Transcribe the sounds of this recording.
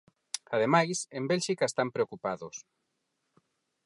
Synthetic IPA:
aðemajsembelʃikaest̪ampɾeokupaðʊs

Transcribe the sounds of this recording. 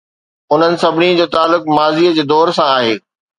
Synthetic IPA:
ʊn̤ənɪ̆sɐbʱɪnĩd͡ʑoːt̪aːlːʊkmaːziːəd͡ʑeːd̪ɔːɾsãaːɦeː

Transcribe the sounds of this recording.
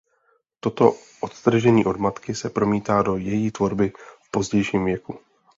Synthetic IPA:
t̪o̞t̪o̞ | ʔot̪t̪r̩ʒɛɲiːʔodmat̪kɪsɛpɾo̞miːt̪aːdo̞jɛjiːt̪vo̞ɾbɪfpo̞zɟɛjʃiːmvjɛku

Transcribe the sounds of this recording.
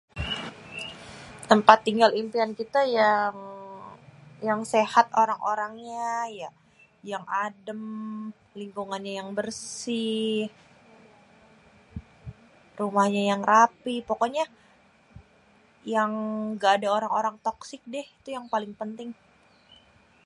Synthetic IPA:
t̪əmpat̪ːiŋɡalimpiankit̪ajaŋ | jaŋsehat̪oɾaŋʔoɾaŋɲaja | jaŋadəm | liŋkuŋanɲajaŋbərsɪh | rumahɲajaŋrapihpokoɲa | jaŋɡaːdaoɾaŋoɾaŋt̪ɔksɪk̚dɪhit̪ujaŋpalɪŋpənt̪ɪŋ

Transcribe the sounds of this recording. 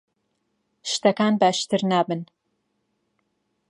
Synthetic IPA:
ʃt̪ɐkaːnbaʃt̪ɨɾnaːbɨn

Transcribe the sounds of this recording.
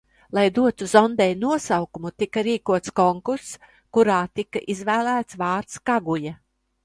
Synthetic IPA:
lˠajd̪uɔt̪uzɔnd̪ɛjnuɔsawkumut̪ikaɾiːkuɔt̪skɔŋkuɾs | kuɾaːt̪ikaʔizvæːlæːt̪svɑːɾt̪skaɡuja

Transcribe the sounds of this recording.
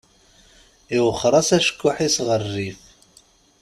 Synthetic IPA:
iwəχːɾˤɑsæʃə̥kːʊħisʁərːif

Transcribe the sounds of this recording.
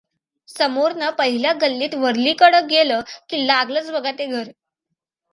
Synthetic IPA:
səmoɾnəpəɦiljaɡəlːiːt̪ʋəɾliːkəɽək̚ɡeləːkiːlaɡləːt͡sbʱəɡʱat̪eɡʱəɾ

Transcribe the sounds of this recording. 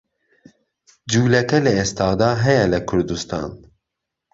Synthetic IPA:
d͡ʒuːlɛkɛlɛeːst̪ɑːd̪ɑːɦɛjɛlɨkʰʊɾd̪ust̪ɑ̰ːn

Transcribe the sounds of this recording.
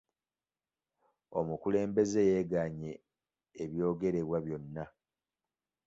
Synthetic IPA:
o̞mukule̞ːmbe̞ze̞jeːɡaɲe̞ː | βjo̞ːɡe̞ɾe̞βwaβjo̞nːa

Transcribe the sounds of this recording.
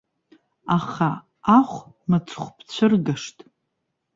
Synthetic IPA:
aχa | aχʷ | mat͡sʰχʷpʰt͡ɕʷʰɨrɡaʂtʼ

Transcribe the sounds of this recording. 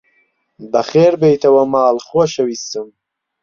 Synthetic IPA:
bɐxeːɾbejt̪ʰɐwɐmaːlχoːʃɐwiːst̪ɨm

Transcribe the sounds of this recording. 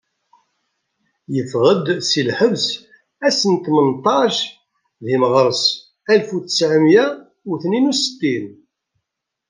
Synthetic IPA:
jəfʁəd̪silħəvs | æsənt̪mənt̪ˤɑʃ | ðiməʁɾˤəs | ælfuθə̥sʕəmjæ | uθninusə̥t̪ːin

